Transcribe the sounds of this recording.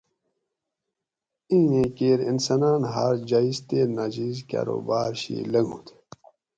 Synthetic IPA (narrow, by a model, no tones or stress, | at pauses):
ĩẽkeːɾinsanaːnɦaɾd͡ʑaːizt̪eːnad͡ʑizka̰ːɾo̰ːbaːɾɕḭlɐŋɡʱũt̪ʰ